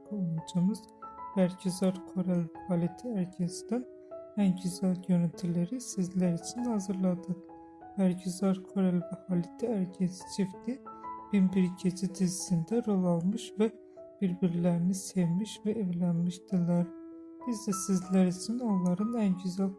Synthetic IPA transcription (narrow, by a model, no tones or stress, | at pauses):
buonud͡ʒʰɑmɯz̥ | bæɾɟyzɑɾkʰoɾelbhɑlit̪ʰiæɾɟʰæsid̪æn | ænɟyzæljønæt̪ʰileɾisizlæɾit͡ʃʰinhɑzɯɾlˠɑd̪ɯq | b̥æɾɟyzɑɾkʰoɾelbæhɑlit̪ʰiæɾɟʰesi̥t͡ʃʰifd̪ib̥imbiɾɟed͡ʒid̪izisind̪æɾo̞lˠɑlˠmɯʃvæ | b̥iɾbiɾlæɾinisevmiʃvæevlænmiʃd̪ɯlɑɾ | b̥izd̪æsizlæɾit͡ʃʰino̞nlˠɑɾɯnænɟyzæl